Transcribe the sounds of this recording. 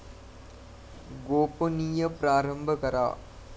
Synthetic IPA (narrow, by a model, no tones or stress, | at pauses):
ɡoːponiːjɐpɾaːɾɐmbʱɐkɐɾa̰ː